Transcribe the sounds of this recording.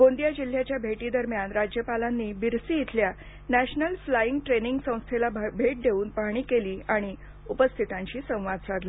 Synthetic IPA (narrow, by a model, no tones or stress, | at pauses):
ɡond̪jad͡ʑil̤ːjat͡ɕjabʱeʈiːd̪əɾmjanɾad͡ʑjəpalanːiːbiɾsiːjit̪ʰlja | næɕnəlflajiŋɡʈɾeniŋɡsə̃w̃st̪ʰelabʱeʈ̚d̪ʱeʋuːnpaɦɽ̃iːkeliːaɽ̃i | upəst̪ʰit̪ãɲt͡ɕiːsə̃w̃ʋad̪sad̪li